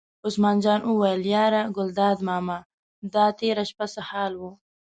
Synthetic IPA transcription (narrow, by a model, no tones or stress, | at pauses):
osmɑːnd͡ʒɑːnʔuwajəljɑːɾaɡʊld̪ɑːd̪mɑːma | d̪ɑːt̪eɾaʃpasahɑːlwu